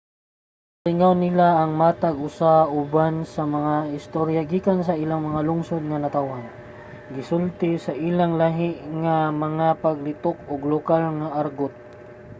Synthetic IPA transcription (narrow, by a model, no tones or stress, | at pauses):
tɪŋawnɪlaːŋmaːt̪aɡʊsaʊbansɐmɐŋaɪst̪oɾjaɡiːkansɐʔilaŋmɐŋalʊŋsod̪̚ŋɐnɐt̪awhan | ɡɪsʊlt̪ɪsɐʔilaŋlaɦɪʔŋamɐŋapɐɡlɪt̪ok̚ʊɡlʊkalŋaʔaɾɡot̪̚